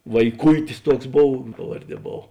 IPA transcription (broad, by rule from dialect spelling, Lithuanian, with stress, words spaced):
ʋɐɪˈkʊɪtʲɪs ˈtuɔks ˈboːw ˈpɑːʋɐrʲˌdʲiɛ ˈboːw